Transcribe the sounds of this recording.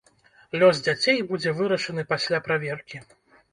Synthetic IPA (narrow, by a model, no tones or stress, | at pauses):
lʲɔzd͡zʲat͡sʲejbud͡zʲɛvɨɾɐʂɐnɨpasʲlʲapɾavʲɛrkʲi